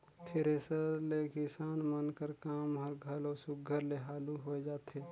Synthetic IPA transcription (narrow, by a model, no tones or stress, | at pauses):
t̪ʰɪɾesəlekɪsaːnmənkəɾkaːmɦəɾɡʱəlɔːsʊɡʱːəɾleɦaːluɦoed͡ʒaːt̪ʰeː